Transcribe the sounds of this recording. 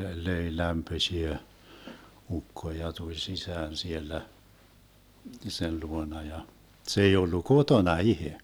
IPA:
løi læmpøsʲiæ ukːo jɑ tulʲ sisæːn sielːæ sen luonɑ jɑ se ei olːu kotonɑ ihe

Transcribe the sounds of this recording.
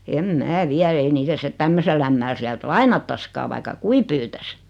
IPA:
em mæː ʋiæ ei niːtæ sĭtet tæmːøselː æmːæl siælt lɑinɑtːɑskɑː ʋɑikːɑ kui pyːtæs

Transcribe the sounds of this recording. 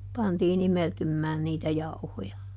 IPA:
pɑntiːn imeltymːæːn niːtæ jɑuhojɑ

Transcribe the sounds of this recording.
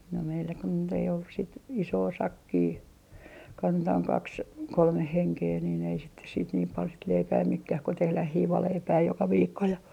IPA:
no meilːæ kun nyt ei olːus sit isoː sɑkːiː kɑntɑːŋ kɑks kolmeh heŋkeː niːn ei sitːe siːt niːm pɑl sit leipæː mekːæh ko tehlæh hiːʋɑleipæː jokɑ ʋiːkːo jɑ

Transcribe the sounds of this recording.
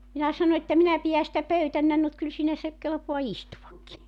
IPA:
minæ sɑno etːæ minæ pijæ sitæ pøytænːæn nut kyl siːnæ se kelpoɑ istuʋɑkːi

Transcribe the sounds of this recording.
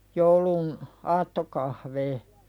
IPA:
joulun ɑːtːokɑhʋeː

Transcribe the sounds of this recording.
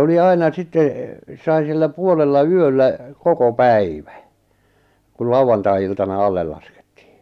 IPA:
oli ɑinɑ sitˑe sɑi silːæ puolelːɑ yølːæ koko pæiʋæ̥ kul lɑuɑntɑiiltɑnɑ ɑlːel lɑske̥tːi̥ː

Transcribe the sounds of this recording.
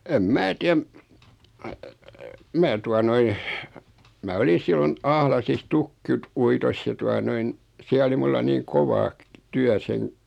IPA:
em mæː tiæm mæː tuɑ noin mæ oli silːon ɑhlɑsis tukːit uitos jɑ tuɑ noin siæ oli mulːɑ niːŋ koʋɑ tyæ seŋ

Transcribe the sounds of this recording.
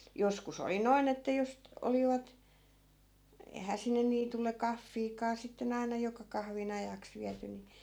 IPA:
joskus oli noin etːæ jos t oliʋɑt ei̯hæː sinːe niːtulːe kɑfːiːkɑː sitːen ɑinɑ jokɑ kɑhʋin ɑjɑks ʋiæty ni

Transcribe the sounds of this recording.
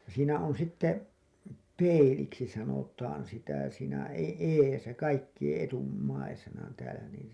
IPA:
siːnæ on sitːe peiliksi sɑnotɑːn sitæ siːnæ e eːsæ kɑikːij̆ẽː ʔetumːɑisenɑ tæːlæ niːn

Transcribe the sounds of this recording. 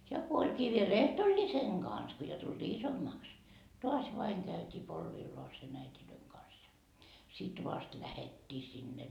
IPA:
jɑ ko olʲkiː ʋiel ehtolʲːiseŋ ɡ̊ɑns ko jo tuld̥iː isomːɑːks toɑs ʋɑiŋ kæytiː polʋilːoɑsen æitiløiŋ kɑns jɑ sit ʋɑst læhetːiː sinːe

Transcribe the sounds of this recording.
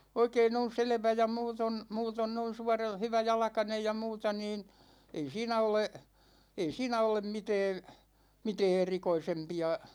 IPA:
oikein on̞ selĕʋæ jɑ muːton muːton noin suɑrɑl hyʋæjɑlɑ̆kɑnej jɑ muːtɑ niːn ei siːnæ ole ei siːnæ olem mitɛːn mitɛː erikoisempiɑ

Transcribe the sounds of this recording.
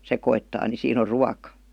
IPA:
sekoitːɑː ni siːn o ruɑkɑ

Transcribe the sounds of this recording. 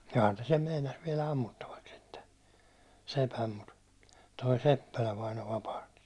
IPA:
johɑn ne sem meinɑs ʋiɛlæ ɑmːutːɑʋɑks̆ sitːe sepæm mut toi sepːælæ ʋɑino ʋɑpɑhti̥

